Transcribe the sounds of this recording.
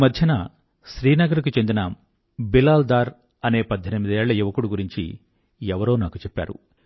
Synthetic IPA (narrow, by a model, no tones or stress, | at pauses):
mɐd̪ʱjɐnaː | ʃɾiːnɐɡɐɾik̬ut͡ʃe̞nd̪ina | bilaːld̪aːɾ | ɐne̞ːpɐd̪ʱːɐnɐmid̪ieːɭːɐjuʋɐkuɽuɡuɾiɲt͡ʃḭ | ɛʋɐɾo̞ːnaːkut͡ʃepːa̰ːɾṵ